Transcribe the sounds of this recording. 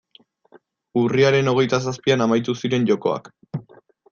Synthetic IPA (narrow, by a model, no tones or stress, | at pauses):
uriaɾe̞no̞ɣ̞e̞jt̪as̬aspianamajt̪usiɾe̞nʎo̞ko̞̰a̰k